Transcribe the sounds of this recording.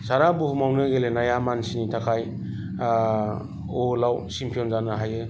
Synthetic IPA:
saɾabuɦumawnɯɡelenajamansinitʰakʰaj | olawsimpʰijɔnzanɯɦajɯ

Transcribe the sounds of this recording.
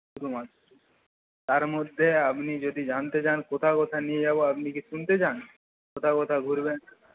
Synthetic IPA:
ud̪umaʃ | t̪aɾmod̪ʱːeapnid͡ʑod̪id͡ʑant̪et͡ɕankot̪ʰakɔt̪ʰanied͡ʑaboapnikiʃunt̪et͡ɕan | kot̪ʰakɔt̪ʰaɡʱuɾben

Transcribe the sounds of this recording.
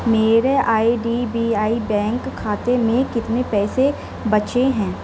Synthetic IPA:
meːɾeaːiɖibiːaːibɛ̃ːŋkʰːaːt̪emẽkɪt̪nepɛːse | bɐt͡ʃeɦɛ̃ː

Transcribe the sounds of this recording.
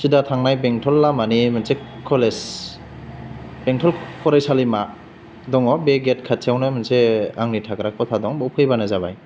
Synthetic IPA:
sidatʰaŋnajbeŋtʰɔlːamanimansekʰːɔles | beŋtʰɔlkʰɔɾajsalima | dɔŋɔbeɡet̚kʰat̚sʰawnamanseaŋnitʰakɾak̚pɔtʰadɔŋbɔwpʰɯjbanazaba̰j

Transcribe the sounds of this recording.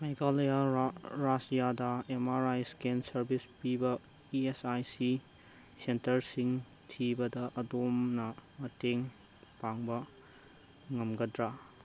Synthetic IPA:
majɡaljaɾasijadɐemaɾajskensɐɾbispibɐ | iesajsi | sentɐɾsiŋ | tʰibɐdɐʔɐdomnɐmɐteŋ | paŋbɐ | ŋɐmɡɐdɾa

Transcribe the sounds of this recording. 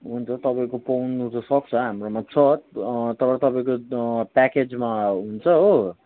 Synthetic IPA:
ɦunt͡sʰʌt̪ʌpaĩkopʌwnuɾʌsʌk̚t͡sʰʌɦamromat͡sʰʌt̪ʌpãlt̪ʌpaĩkopaked͡zmaɦunt͡sʰʌo

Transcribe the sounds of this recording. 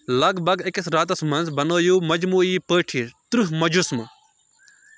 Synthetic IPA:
lɐɡbʱɐɡekɐsɾaːt̪ɐsmɐ̃nzbɐnoːjuːmɐd͡ʒmuːiːpəːʈʰit̪ɾuɦmɐd͡ʒusm

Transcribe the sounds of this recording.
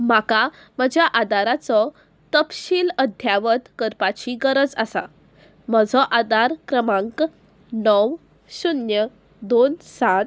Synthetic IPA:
m̤aka | məd͡ʑʱjaʔad̪aɾat͡sɔ | t̪əpɕiːləd̪ʱjaʋət̪kəɾpat͡ɕiɡəɾəd͡zasa̰ | məd͡zʱɔʔad̪aɾkɾəmãŋk | nɔw | ɕunjə | d̪onsat̪

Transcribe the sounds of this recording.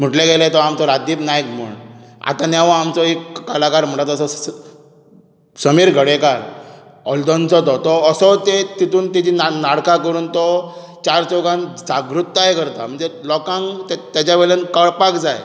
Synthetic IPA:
m̤uʈlẽɡelat̪ɔamt͡sɔɾad̪iːpnajkm̤ə̰ɳa̰t̪ãnjaʋɔamt͡sɔekːalakaɾm̤əɳʈat̪əsɔ | səmiːɾɡʱəɽekaɾ | ɔld̪ɔnt͡sɔt̪ɔt̪ɔsɔt̪et̪it̪uːnt̪id͡ʑinanaɽkãkəɾuːnt̪ɔ | t͡ɕaɾt͡sɔɡãnd͡zaɡɾut̪ːaɦekəɾt̪am̤əɳd͡zelɔkãŋɡt̪t̪jat͡ɕaʋeɭənkəɭpakd͡zaj

